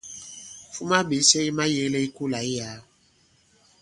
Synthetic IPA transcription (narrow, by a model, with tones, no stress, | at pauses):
fu˦ma˦be˨˦sɛ˦i˦mã˦je˦lɛ˦i˦ku˦la˨i˦ja˨˦